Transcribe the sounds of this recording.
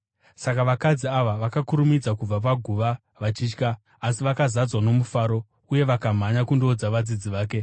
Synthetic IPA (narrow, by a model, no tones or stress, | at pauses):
sakaʋakad͡ziaʋaʋakakuɾumid͡zakub͡vap̬aɡʱuʋa | ʋat͡ʃiːt͡ʃkaː | siʋakazad͡zwano̞mufaːɾo̞ | uje̞ʋakam̤aɲakundo̞d͡zaʋad͡zid͡ziʋaːke̞